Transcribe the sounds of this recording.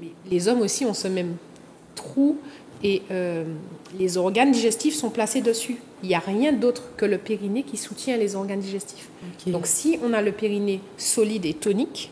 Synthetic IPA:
mɛlezɔmosiɔ̃səmɛm | t̪χu | eø | lezɔʁɡand̪iʒɛst̪ifsɔ̃plased̪əsy | iljaʁjɛ̃d̪ot̪χkələpeʁinekʲisut̪jɛ̃lezɔʁɡand̪iʒɛst̪i̥fdd̪ɔ̃ksiɔ̃naləpeʁine | sɔlid̪et̪ɔnik

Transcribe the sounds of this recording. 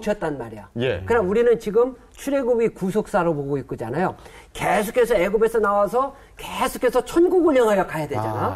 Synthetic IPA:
t͡ɕʰʌt̚t͈annmaɾijajkɯɾnauɾinɯnt͡ɕiɡɯm | t͡ɕʰuɾeɡubikusʰok̚s͈aɾopoɡoik͈̚ɯd͡ʑa̰najo | kesʰuk͈e̞sʰʌeɡobe̞sʰʌnawasʰʌ | kesʰu̥k͈e̞sʰʌt͡ɕʰʌnɡuɡuɲʌŋɯjʌkʰajadwe̞d͡ʑa̰na

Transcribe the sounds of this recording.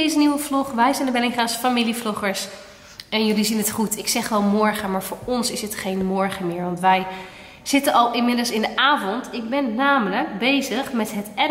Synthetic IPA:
ejzəniʋəvlɔχʋɛjzɛndəbɛlɪŋχaːsfamiliflɔχəɹs | ɛnjɵlizinɦətχutɪksɛχʋɛlˠmɔɹχəmaːɹvʊːɹɔnsɪsɦətχejnmɔɹχəmɪːɹʋɑntʋɛj | z̥ɪtənɑlˠɪmɪdəlˠsɪndəʔaːvɔntɪɡ̚bɛnːaːmələkbejzəχmɛtɦətɛ

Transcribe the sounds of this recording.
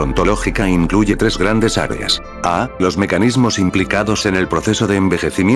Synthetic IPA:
ont̪olo̞xikaiŋkluʝe̞t̪ɾe̞zɣɾand̪e̞sa̰ɾḛa̰s | alo̞zme̞kanizmo̞simplikaðo̞se̞ne̞lpɾo̞θe̞so̞ðeːmbe̞xe̞θimj

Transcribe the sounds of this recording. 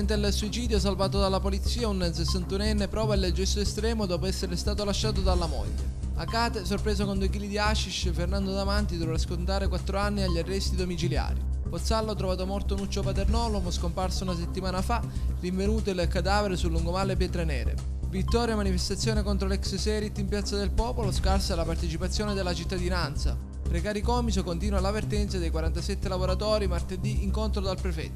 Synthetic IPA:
nt̪elsuit͡ʃiːd̪joɛs̬alvaːt̪̬od̪alːapolit̪sːiːaunsesːant̪unɛnːepɾɔːvaild͡ʒɛst̪oest̪ɾɛːmod̪ɔːpoɛsːeɾest̪aːt̪olaʃːaːt̪od̪alːamɔ̰ʎːḛ | akaːt̪esorpɾeːzokond̪uejk̬ilid̪iaʃiʃefernand̪od̪amant̪id̪ovɾaskont̪aːɾekwat̪ːɾoanːiaʎːarːɛst̪id̪omit͡ʃilja̰ːɾḭpot̪salːoɔt̪ːɾovaːt̪omɔrt̪onut͡ʃːopat̪ernɔːloɡoskomparsounaset̪ːimaːnafariɱvenuːt̪oilkad̪aːveɾesulːuŋɡomalepjɛːt̪ɾenɛːɾḛ | vit̪ːɔːɾjamanifest̪at̪sːjoːnekont̪ɾolɛkssɛɾit̪ːimpjat̪sːad̪elpɔːpoloskarsalapart̪et͡ʃipat̪sːjoːned̪elat͡ʃit̪ːad̪inant̪sa̰ | pɾekaːɾikɔːmisokont̪iːnwalavert̪ɛnt̪sad̪ejkwaɾant̪asɛt̪ːelavoɾat̪ɔːɾimart̪ed̪iʔiŋkont̪ɾod̪alpɾefɛ̰t̪ː

